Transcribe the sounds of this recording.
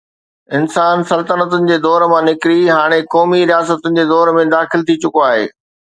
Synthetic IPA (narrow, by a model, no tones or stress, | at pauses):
ɪnsaːnsɐlt̪ənət̪ʊnɪ̆d͡ʑeːd̪ɔːɾmãnɪkɪɾiɦaːɽ̃ekɔːmiɾijaːsət̪ʊnɪ̆d͡ʑeːd̪ɔːɾmẽd̪aːxɪlt̪ʰit͡ɕʊkoaːɦḛː